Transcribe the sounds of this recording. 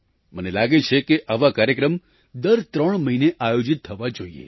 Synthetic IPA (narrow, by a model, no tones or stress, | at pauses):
mənelaɡet͡ʃʰekeʔaʋakaɾjəkɾəm | d̪əɾt̪ɾəɳ̃məɦineʔajod͡ʒit̪ʰːəʋad͡ʒoiḛ